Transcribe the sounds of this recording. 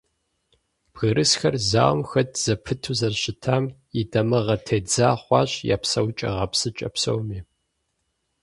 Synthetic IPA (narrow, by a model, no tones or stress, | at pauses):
b̥ɣɨɾʔɨsxɐrza̰ːwmxɐtʰz̥ɐpʰɨtʰuzɐrɕɪtʰaːm | idɐmɨʁɐtʰeːd͡zaːχʷɑ̰ːɕʼja̰ːpsɐwt͡ʃʼɐ̰ʁɐpsɨt͡ʃʼɐ̰psɐ̰wmiː